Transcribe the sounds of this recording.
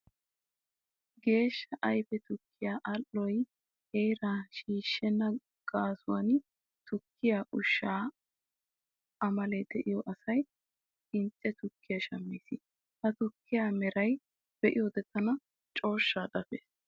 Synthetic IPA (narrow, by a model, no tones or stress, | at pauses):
ɡe̞ːʃːɐʔɐjfɛt̪ʊkʰːɪjaːʔɐlːɔj | hejɾaːʃiːʃːɛnːɐ | ɡ̥aːsʊwɐn | t̪ʊkʰːɪjaːʔʊʃːaː | ʔɐmɐled̪ɛʔɪjɔʔɐsɐj | ɪnt͡ʃʼːɛt̪ʊkʰːɪjaʃɐmːiːsɪ | hɐt̪ʊkːɪjaːmɛɾɐj | b̥ɛʔɪjɔd̪ɛt̪ʰːɐnɐ | t͡ʃʼo̞ːʃːaːd̪ɐfḛːs